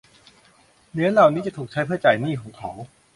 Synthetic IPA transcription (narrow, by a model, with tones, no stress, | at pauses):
nɯ˦˥ɐla˨˩wniː˦˥t͡ɕa˨˩t̪ʰuː˨˩k̚t͡ɕʰa˦˥pʰɯ˥˩t͡ɕaː˨˩jniː˥˩kʰɔː˩˦ŋkʰɔː˩˦w